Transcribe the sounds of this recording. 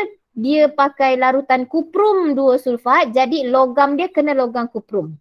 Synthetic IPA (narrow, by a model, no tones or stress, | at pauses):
diəpakajlaɾut̪ankupɾumduəsulfat̪̚d͡ʒadiloɡamdiəkənãloɡamkupɾum